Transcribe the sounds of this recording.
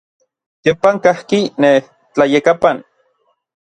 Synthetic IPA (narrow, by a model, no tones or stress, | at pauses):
t̪jompaŋkahkineh | t͡ɬajekapan